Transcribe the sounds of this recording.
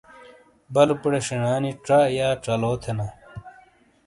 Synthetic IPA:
bɐlupuɽeɕiɳaːniʈ͡ʂajaːʈ͡ʂɐloːt̪ʰenɐ

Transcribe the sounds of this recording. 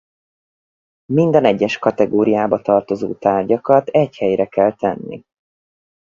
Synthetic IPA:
mind̪ɒnɛɟːɛʃkɒt̪ɛɡoːɾijaːbɒt̪ɒrt̪o̞zo̰ːt̪aːrɟɒkɒt̪ɛchɛjɾɛkɛlt̪ɛnːḭ

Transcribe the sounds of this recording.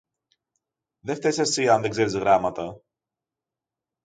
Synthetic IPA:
ðe̞ft̪e̞sɐsiɐnðe̞ɡze̞ɾizɣɾɐmɐt̪ɐ

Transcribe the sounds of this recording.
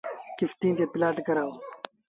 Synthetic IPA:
kift̪ĩnt̪epilaːʈkɐɾaːo

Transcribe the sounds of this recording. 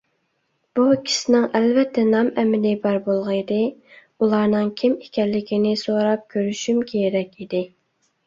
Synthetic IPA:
b̥ukʲʰi̥sɪnɪŋɛlvɛt̪ʰːɛnɑmɛmɪlɪbɑɾbolˠʁɑid̪ɪ | ulˠɑɾnɨŋkʲʰimikʲɛlːɪkʲinɪsoɾɑp̚kʲʰøɾyʃymkʲʰejɾɛkʲid̪ɪ

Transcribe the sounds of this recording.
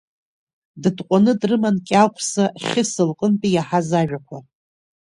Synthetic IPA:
dɨdqʷʼanɨdrɨmankʲʼalpʰsaχʲɪsɨlqʼənpʼijaħazaʒᶣakʷʰa

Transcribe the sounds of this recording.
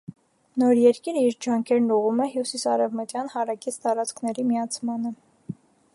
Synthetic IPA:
nɔɾjɛɾkiɾəiɾd͡ʒɑŋkʰɛɾnuʁumɛɦjusisɑɾɛvmət̪jɑnhɑɾɑkit͡sʰt̪ɑɾɑt͡skʰnɛɾimiɑt͡sʰmɑnə

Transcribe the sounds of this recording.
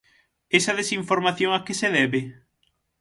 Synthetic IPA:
esaðesiɱfoɾmaθjoŋakeseðɛβe

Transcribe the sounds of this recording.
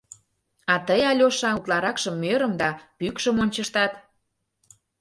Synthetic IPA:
ɑt̪əjɑlʲoʃɑut̪lɑɾɑkʃə̆mːøɾə̆md̪ɑpykʃə̆monʲt͡ɕə̆ʃt̪ɑt̪

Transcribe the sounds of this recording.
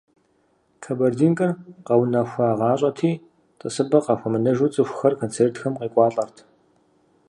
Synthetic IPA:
kʰɐbɐrdiːŋkʼɐrqɐwnɐxʷɐaːʁɑːɕʼɐtʰiː | tʼəsɨbɐqɑxʷɐmɨnɐʒuːt͡sʼɨxʷxɐrkʰoːnt͡sʰeːrtxɐmqiːkʷʼɑːɬʼɐrtʰ

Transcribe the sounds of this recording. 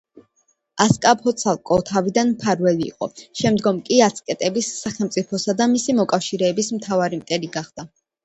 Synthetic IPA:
askʼapʰɔt̪sʰalˠkʼɔt̪ʰavid̪anmpʰaɾvɛlḭːqʼɔ̰ʃɛmd̪ɡɔmkʼiat̪sʰkʼɛt̪ʼɛbisːaχɛlˠmt̪sʼipʰɔsad̪amisimɔkʼafʃiɾɛːbismt̪ʰavaɾimt̪ʼɛliɡaχd̪̥a

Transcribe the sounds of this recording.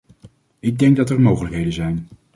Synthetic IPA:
ɪɡ̚dɛŋɡ̚dɑtɛɹmowχələkɦejdənzɛjn

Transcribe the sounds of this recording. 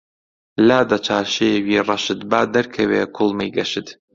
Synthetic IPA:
laːd̪ɐt͡ʃʰaːʃewiːrɑʃɨt̪baːd̪ɐɾkʰɐweːkʰʊlˠmɐjɡɐʃɨt̪

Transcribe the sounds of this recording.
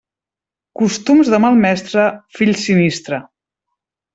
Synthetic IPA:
kust̪umzðəmalˠmɛst̪ɾəfiʎsinist̪ɾə

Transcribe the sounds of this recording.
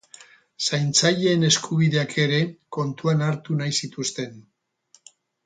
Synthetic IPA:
sajnt͡saʎe̞ːne̞skʰuβiðe̞akʰe̞ɾe̞ko̞nt̪uanaɾt̪unajsit̪ust̪e̞n

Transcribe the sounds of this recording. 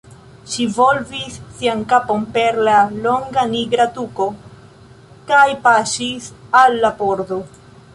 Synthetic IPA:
ʃivolvisːiaŋkapo̞mpe̞ɾlaloŋɡaniɡɾatuko̞ | kajpaʃisalːapoɾd̪o

